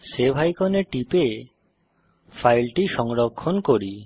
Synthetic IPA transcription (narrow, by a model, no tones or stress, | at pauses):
sebʱajkɔneʈipe | fʰajlʈiʃɔŋɾɔkʰːɔnkoɾi